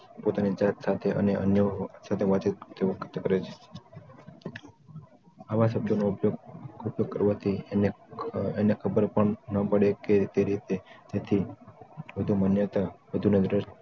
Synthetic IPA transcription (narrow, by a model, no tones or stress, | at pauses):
pot̪anid͡ʒat̪sat̪ʰeʔə̰neʔə̰njəsat̪ʰeʋat͡ʃit̪̚t̪ʰeʋokʰət̪əkəɾet͡ʃʰe̥ | aʋasəb̚d͡ʒonopjoupjoɡ̚kəɾʋat̪ʰin | enekʰəbəɾpəɳnəpəɽeket̪eɾit̪et̪et̪ʰi | ʋəd̪ʱumənjət̪abəd̪ʱuned̪ɾɪʃ